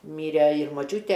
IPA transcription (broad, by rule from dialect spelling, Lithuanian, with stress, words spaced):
ˈmʲiːrʲɛ ɪr moːˈt͡ʃʲuːtʲɛ